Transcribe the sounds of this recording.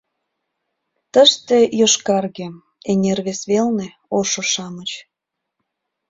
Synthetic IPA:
t̪əʃt̪ejoʃkɑrɣe | enʲerβesβelne | oʃoʃɑmət͡ɕ

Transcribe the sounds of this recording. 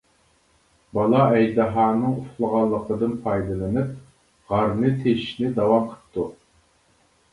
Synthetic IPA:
bɑlˠɑɛjd̪ɨɦɑːnɨŋuχlˠəʁɑnlˠːəqʰəd̪ɨnpʰɑjd̪ɨlˠɨnɨp̚ | ʁɑɾnɨt̪ʰeʃnɪd̪ɑwɑmqʰə̥p̚t̪ʰu

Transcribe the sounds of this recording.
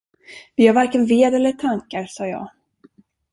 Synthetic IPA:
vɪhaɾvaɾkənveːd̪ɛlːəʈʰaŋkaɾsɑːjɑ̰ːɡ

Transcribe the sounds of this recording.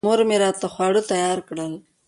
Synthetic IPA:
oɾmeɾɑt̪axwɑɽət̪ajɑɾkɽəl

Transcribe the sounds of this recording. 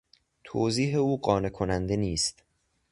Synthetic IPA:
t̪ʰoːziːɦeuːɢɒːne̞kʰonænd̪e̞niːst̪

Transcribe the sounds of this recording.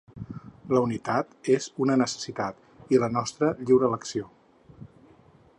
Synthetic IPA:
ləunit̪at̪ezunənəsə̥sit̪at̪ | ilənɔst̪ɾəʎiwɾələksio

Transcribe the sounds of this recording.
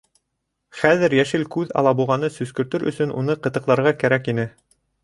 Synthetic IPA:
χæðɘɾjæʃɘlkʉðɑ̰lˠɑbulˠʁɑnɤsɵ̆skɵ̆ɾt̪ɵɾʔɵ̰̆sɵnʔṵnɤqɤ̆t̪ɤ̆qlˠɑɾʁɑkæɾækinɘ

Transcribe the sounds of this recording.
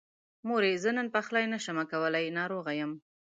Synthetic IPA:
moɾezənənpaxlaɑjnaʃəmakawəlajnɑɾoɣajəm

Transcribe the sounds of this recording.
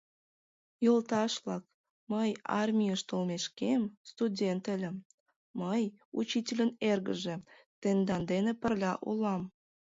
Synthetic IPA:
jolt̪ɑʃlɑk̚ | məjɑ̰rmʲijəʃt̪əlmeʃkemst̪udʲent̪ə̆lʲə̆m | məjut͡ɕitʲelʲənerɣə̰ʒe̽ | t̪end̪ɑnd̪enepərlʲɑʔulɑm

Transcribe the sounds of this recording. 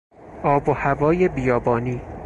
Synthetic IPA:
ʔɒːbohævɒːjebijɒːbɒːniː

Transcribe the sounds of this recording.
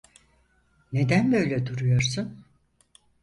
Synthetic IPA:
ne̞d̪ænbø̞jlʲɛd̪uɾujo̞ɾsun

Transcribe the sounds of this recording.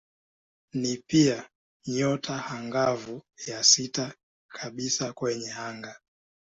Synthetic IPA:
nipia | ɲɔtʰahaŋɡavujasita | kʰaɓisakwɛɲɛaŋɡa

